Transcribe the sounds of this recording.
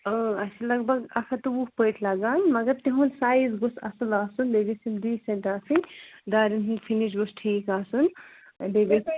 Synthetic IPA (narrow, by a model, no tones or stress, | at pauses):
əːɐsʰilɐɡbɐɡɐkʰɐt̪uukpəːʈʰlɐɡaːnmɐɡɐɾt̪iɦunsaːizɡosɐ̰sɐlaːsundeɡisind̪iːsɐ̃nt̪aːsinʲd̪aːɾinunfʰiniʃɡosʈʰiːkaːsun | deɡi